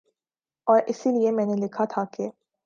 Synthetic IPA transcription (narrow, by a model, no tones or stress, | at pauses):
ɔːɾʔɪsiliemɛ̃ːnelɪkʰat̪ʰake